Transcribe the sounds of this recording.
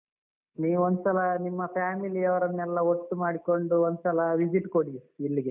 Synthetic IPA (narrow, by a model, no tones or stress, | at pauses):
niːʋuond̪usɐlɐnimːɐpʰaːmiliɐʋɐɾɐnːɛlːɐoʈ̪ːumaːɽiko̞ɳɖuond̪sɐlɐʋid͡ʒiʈːkoɽiilːiɡe